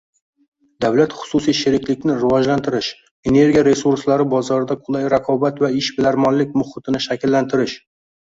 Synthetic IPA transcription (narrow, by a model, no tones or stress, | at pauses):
d̪avlat̪χʊ̥susijʃɪɾɪkʲlɪkʲnɪɾɪvɒd͡ʒlant̪ʰɪɾɪʃ | e̞ne̞ɾɡʲiaɾe̞suɾslaɾɪbɒzɒɾɪd̪aqʰʊlˠajɾaqʰɒbat̪vaɪʃbɪlaɾmɒnlɪk̚ʲmʊχɪt̪ʰɪnɪʃakʲɪlːant̪ʰɪɾɪʃ